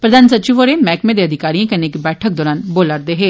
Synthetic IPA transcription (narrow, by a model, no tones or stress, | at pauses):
pɾəd̪ʱaːnsət͡ʃiːʋoːɾeːmɛːkmẽːd̪eːəd̪ʱɪkaːɾiãːkəneːkbɛːʈʰək̚d̪oːɾaːnboːləɾd̪eːɦeː